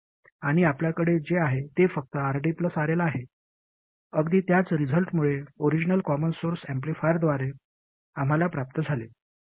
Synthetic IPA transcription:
aɽ̃iapljakəɽed͡zeaɦet̪efək̚t̪əaɾɖiːpləsaɾelaːɦe | əɡd̪iːt̪jat͡sɾid͡zʱəlʈmuɭeoɾid͡ʑnəlkɔmənsoɾsæmp̬lifajəɾd̪ʋaɾe | am̤alapɾap̚t̪əd͡zʱale

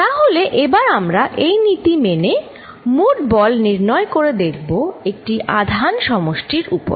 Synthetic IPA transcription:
t̪aɦoleʔebaɾamɾaʔejnit̪imene | muʈbɔlniɾnɔekoɾed̪ekʰboek̚ʈiʔad̪ʱanʃɔmoʃʈiɾupo̰ɾ

